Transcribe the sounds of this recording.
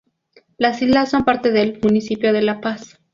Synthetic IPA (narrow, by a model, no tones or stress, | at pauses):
lasizlasːo̞mpaɾt̪e̞ðelmunisipjo̞ðe̞lapas